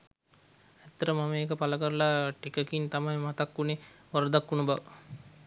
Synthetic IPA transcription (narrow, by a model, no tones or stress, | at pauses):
æt̪ːəɾəmaməeːkəpaləkəɾəlaʈikəkint̪amajmat̪akːuneʋaɾəd̪akːunəbaʋə